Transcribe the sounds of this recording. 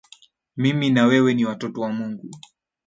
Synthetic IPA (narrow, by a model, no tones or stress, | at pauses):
miminawɛwɛniwatɔtɔwamuŋɡu